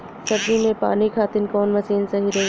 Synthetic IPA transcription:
sɐbimẽpa̰ːnikʰaːt̪ɪnkɔːnmɐsiːnsɐɦiɾɐɦ

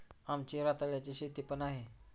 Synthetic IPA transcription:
amt͡ɕiɾat̪aɭjat͡ɕeɕet̪ipənaɦe

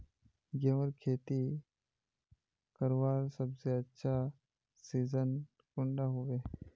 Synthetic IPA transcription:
ɡẽʋəɾkʰeːt̪i | kəɾʋaːɾsəbseɐtːʃʰa | siːzən | kʊ̃ɳɖaɦʊʋeː

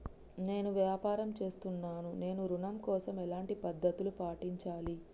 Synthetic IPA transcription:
ne̞ːnuʋjaːpaːɾɐmt͡ʃe̞ːst̪unːaːnune̞ːnuɾunɐmkɔːsɐmɛlaːɳʈipɐd̪ːɐt̪ulupaːʈiɲt͡ʃaːli

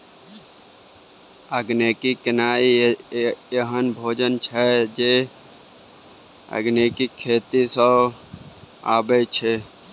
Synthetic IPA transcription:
əɡneːkikɪnaːi | jeɦənbʱoːd͡ʒənt͡ʃʰɛd͡ʒeː | ə̰ɡneːkikʰːeːt̪isə | a̰ːbet͡ʃʰe

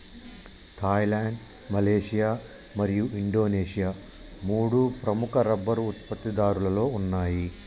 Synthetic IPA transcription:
t̪ʰaːjlaːɳɖ | mɐleːʂijaː | mɐɾijuʔiɳɖo̞ːneːʂijaː | muːɽupɾɐmukɐɾɐbːɐɾuːt̪pɐt̪ːid̪aːɾulɐlo̞ːunːaːji

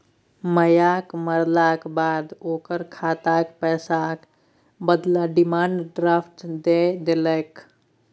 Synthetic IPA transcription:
məjakməɾlakbad̪okəɾkʰat̪akpɛsak | bəd̪laɖimaɳɖɖɾapʰʈd̪ed̪eləɪk

